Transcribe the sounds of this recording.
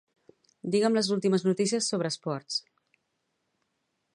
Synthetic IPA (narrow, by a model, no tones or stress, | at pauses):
d̪iɣəmləzulˠt̪iməznut̪is̬iəsːoβ̞ɾəːspɔɾs